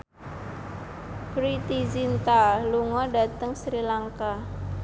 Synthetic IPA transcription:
kɾit̪izint̪aluŋɔda̤t̪əŋsɾilaŋka

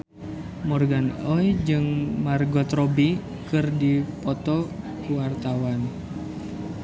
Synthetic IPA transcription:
mɔrɡanɔjd͡ʒɨŋmarɡɔt̪rɔbi | kɨrdipɔt̪ɔ | kuwart̪awan

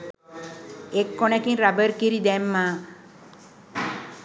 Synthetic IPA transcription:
ekːonekinɾabəɾkiɾid̪ɛmːaː

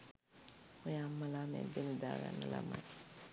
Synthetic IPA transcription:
ojamalamɛ̰deludaɾa̰nala̰ma̰

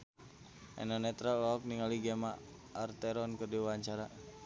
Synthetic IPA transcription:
ʔɛ̰nɔnɛt̪ɾawaɔk̚niŋaliɡɛmaː | rt̪ɛɾɔnkɨrdiwaaɲt͡ʃaɾa

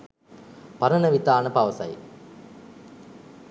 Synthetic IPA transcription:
pɐɾɐnəʋit̪aːnəpɐʋɐsɐ̰j

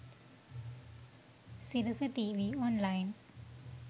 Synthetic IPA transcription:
siɾəsəʈiʋiːɔːnlaɪn

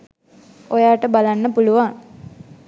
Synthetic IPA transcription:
ojaːʈəbalanːəpuluʋaŋ

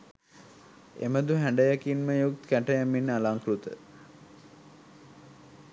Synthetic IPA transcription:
ḛməd̪uɦæɳɖəjakinməjuk̚t̪kæʈəjæmːinːəalaŋkɾut̪ə̰

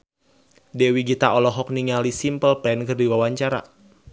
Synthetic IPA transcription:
dɛwiɡit̪aɔlɔɦɔk̚niŋalisimpəlpɛnkɨrdiwawaɲt͡ʃaɾa̰

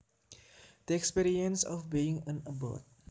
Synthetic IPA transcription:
d̥əɛkspiːɾiənsɔ̰fbiɪŋənəbɔ̰t̚

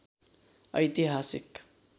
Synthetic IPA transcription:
ʌjt̪iɦasḭk

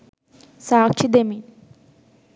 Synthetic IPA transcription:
saːk̚t͡ʃʰid̪emin

